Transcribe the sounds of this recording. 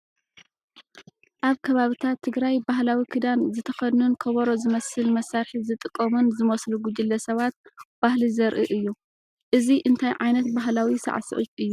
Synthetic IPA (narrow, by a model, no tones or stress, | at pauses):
ʔaβkʰɐβaβɨt̪ʰat̪ʰːɨɡɾajbaɦlawikʰɨd̪anzɨt̪ʰɐxɐd̪nunkʰɐβɐɾo̞zɨmɐsɨlmɐsaɾħizɨt̪ʼɨkʼːɐmɨnzɨmɐsluɡud͡ʒɨlːɐsɐβat̪̚b̥ahlizɐɾʔɨʔɨjːu | ʔɨziʔɨnt̪ʰajʕajnɐt̪̚baɦlawisa̰ʕsɨʔut͡ʃʼɨjːu